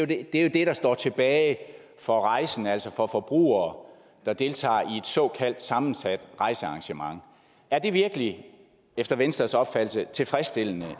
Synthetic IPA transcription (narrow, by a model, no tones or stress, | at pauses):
jo̥ed̥e̝jo̝d̥e̝ɾ̥ɑ̈sd̥ɒ̰ːt͡sʰe̝b̥ɛːɪ | fɒ̽ʁɑ̈ɪsn̩æl̰sɒ̽fɒ̽fɒ̽b̥ʁṵːɐː | d̥ɑ̈d̥e̝lt͡sʰɑ̰̈ːie̝d̥sɒ̽ːkʰæl̰d̥sɑ̈mn̩sæd̥ʁɑ̈ɪsəɑ̈ŋɕəmɑ̈ŋ | æɐd̥e̝ʋiɐɡ̥əli | efd̥ɐʋensd̥ɐsɒ̽b̥fæd̥l̩sət͡sʰe̝lfʁɛsd̥e̝l̰nə